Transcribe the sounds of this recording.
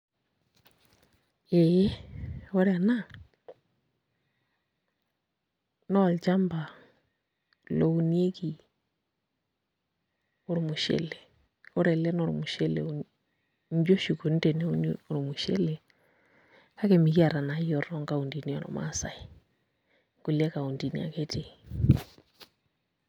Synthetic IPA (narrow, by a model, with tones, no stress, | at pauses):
ɛ˨˦ɔ˦ɾɛa˨na˦ | nɔ˦a˨lt͡ʃa˦mba˨ | lɔ˨u˨nie˦ki˨ | o˨ɾo˨mu˨ʃɛ̰˦lɛ˨ | ɔ˦ɾɛ˨lɛ˦nɔ˦ɾṵ˨mu˨ʃɛ˦lɛ̰˨ | nd͡ʒo˦ʃu˨ko˨n̩˦dɛ˨nɛ˦u˦nɔ˨ɾu˨mu˨ʃɛ̰˦lɛ˨ | ka˦kɛ˨mi˨ki˦a˨ɾa˨na˨jɔ˨ɾɔ˦ŋɡa˦u˨ndi˨ni˨ɔ̰˨ɾɔ̰˨ma̰˦sa˨i˨ | ŋɡu˨lɛ˦ka˨u˨ndi˨nḭ˨a̰˨kɛ˦te˨